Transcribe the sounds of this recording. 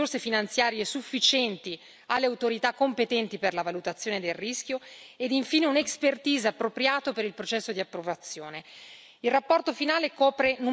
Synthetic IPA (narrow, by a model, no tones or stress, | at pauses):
orsefinant̪sjaːɾjesufːit͡ʃɛnt̪i | alːeawt̪oɾit̪akːompet̪ɛnt̪iperlavalut̪at̪sːjoːned̪elrisk̟joed̪iɱfiːneunekspert̪iːzaapːɾopɾjaːt̪opeɾilpɾot͡ʃɛsːod̪iapːɾovat̪sːjoːne | ilrapːɔrt̪ofinaːlekɔːpɾenu